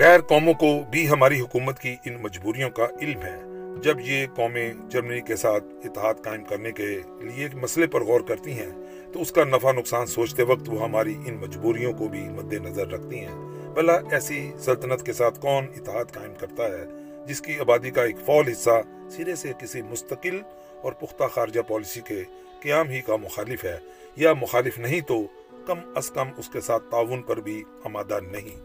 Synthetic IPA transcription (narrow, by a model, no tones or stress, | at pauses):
ɣɛːɾkɔːmõkobʱiɦɐmaːɾiɦʊkuːmət̪kiʔɪnmɐd͡ʒbuːɾijõkaɪlmɦɛːd͡ʒɐbjekɔːmẽd͡ʒɐɾmənikesaːt̪̚ʰɪt̪ːɪɦaːd̪kaːɪmkɐɾneke | lieːkmɐslepɐɾɣɔːɾkɐɾt̪iɦɛ̃ː | t̪oʊskanɐfanʊksaːnsoːt͡ʃt̪eʋɐkt̪ʋoɦɐmaːɾiʔɪnmɐd͡ʒbuːɾijõkobʱimʊd̪ʱːenɐzəɾːɐkʰt̪iɦɛ̃ː | bɐlaʔɛːsisɐlt̪ənət̪kesaːt̪ʰkɔːnɪt̪ːɪɦaːd̪kaːɪmkɐɾt̪aɦɛː | d͡ʒɪskiaːbaːd̪ikaeːkfɔːlɦɪsːa | sɪɾesekɪsimʊst̪əqɪl | ɔːɾpʊxt̪axaːɾd͡ʒapɔːlɪsike | kɐjaːmɦikamʊxaːlɪfɦɛː | jamʊxaːlɪfnɐɦĩt̪o | kɐmɐskɐmʊskesaːt̪ʰːaːʋʊnpɐɾbʱi | aːmaːd̪anɐɦĩː